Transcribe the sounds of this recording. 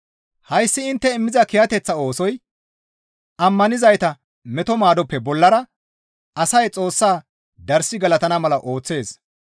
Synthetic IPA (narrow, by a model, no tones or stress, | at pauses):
hɐjsːɪɪnt̪ːɛɪmːɪzɐkɪjɐt̪ɛt͡sːɐo̞ːsɔj | ɐmːɐnɪzɐjt̪ɐ | mɛt̪ɔmaːd̪ɔpːɛbɔlːɐɾɐ | ɐsɐjt͡sʼo̞ːsːaː | d̪ɐɾsɪɡɐlɐt̪ɐnɐmɐlɐʔo̞ːt͡sːe̞ːs